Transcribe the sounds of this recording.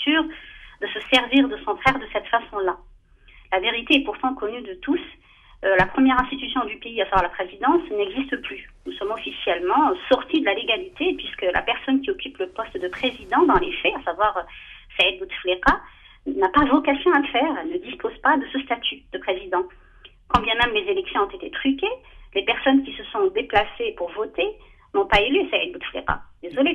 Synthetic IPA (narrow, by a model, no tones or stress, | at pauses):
t̪yʁd̪əsəsɛʁviʁd̪əsɔ̃fχɛʁd̪əsɛt̪fasɔ̃la | laveʁit̪eɛpuʁt̪ɑ̃kɔnyd̪ət̪us | lapχəmjɛʁɛ̃st̪it̪ysjɔ̃d̪ypeiasavwaʁlapχezid̪ɑ̃snɛɡzist̪əplynusɔmɔfisjɛlmɑ̃sɔʁt̪id̪əlaleɡalit̪epɥiskəlʔa̰pɛʁsɔnkʲiɔkʲypləpɔst̪d̪əpχezid̪ɑ̃d̪ɑ̃lefɛasavwaʁsɛɛd̪̚but̪fleʁa | napavɔkasjɔ̃aləfɛːʁɛlnəd̪ispozpad̪əsəst̪at̪ʰyd̪əpχezid̪ɑ̃ | kɑ̃bjɛ̃mɛ̃mːezelɛksjɔ̃ɔ̃t̪et̪et̪χykʲelepɛʁsɔnkʲisəsɔ̃d̪eplasepuʁvɔt̪e | nɔ̃paelyesɛɛd̪̚but̪flḛʁa̰d̪ezɔle